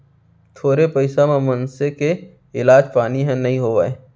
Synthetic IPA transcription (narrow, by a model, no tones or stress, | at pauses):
t̪ʰoːɾepɐɪsamẽmɐnseke | ɪlaːd͡ʒpaːniɦɛ̃nɐɦĩɦoːʋa̰ːe